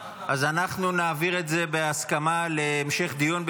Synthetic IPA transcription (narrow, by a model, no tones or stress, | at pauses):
ʔazanaχnunaːviʁe̞t̪ze̞beaskamaleːmʃe̞χd̪ijonb